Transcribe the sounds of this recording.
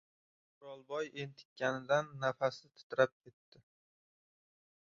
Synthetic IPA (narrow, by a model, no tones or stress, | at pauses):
ɾɒlˠbɒjent̪ʰɪ̥kʲʰːanɪd̪anːafasɪt̪ʰɪ̥t̪ɾap̚kʲʰe̞t̪ːɪ